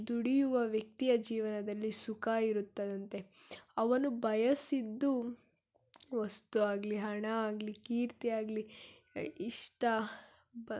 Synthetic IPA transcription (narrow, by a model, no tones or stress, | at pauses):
d̪uɽijuʋɐʋjɐk̚t̪ijɐd͡ʒiːʋɐnɐd̪ɐlːisukaiɾut̪ːɐd̪ɐnt̪e̞ɐʋɐnubɐjɐsid̪ːu | ʋɐst̪uaːɡliɦɐɳɐaːɡlikiːɾt̪iaːɡli | iʂʈɐ